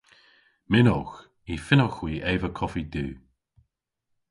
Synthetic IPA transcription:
mɪnɔx | ifɪnɔxwiːʔeːvəkʰɔfid̪ʉː

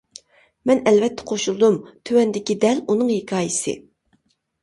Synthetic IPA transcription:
mɛnɛlvɛt̪ʰːɛ̥qʰoʃulˠd̪umt̪ʰøwɛnd̪ɪkʲid̪ɛlunɨŋhekʲʰɑːjisɪ̰

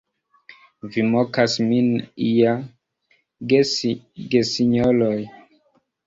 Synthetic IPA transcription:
vimokasminija | ɡesiɲoloj

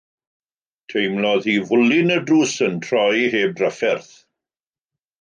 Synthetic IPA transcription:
tʰejmlɔðhivʊlɪnədruːsəntʰrɔjɦeːb̚rəfɛrθ

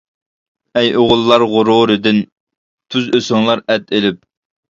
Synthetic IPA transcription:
ɛjoʁʊlˠːɑɾʁʊɾuɾɨd̪ɪn | t̪ʰyzøsɪŋlˠɑɾɛt̪elɪp̚

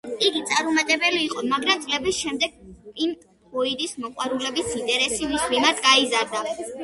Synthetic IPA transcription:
iɡit̪sʼaɾumat̪ʼɛbɛliːqʼɔmaɡɾamt̪sʼlɛbisʃɛmd̪ɛɡ̥̚im | ɔid̪ismɔqʼwaɾulɛbisint̪ʼɛɾɛsimismimaɾt̪ʰɡaizaɾd̪a

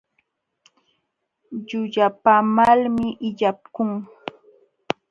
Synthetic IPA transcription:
ʎʊʎapamalmɪʔɪʎap̚kʊŋ

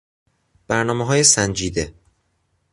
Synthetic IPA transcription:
b̥æɾnɒːmeɦɒːjesænd͡ʒiːd̪e

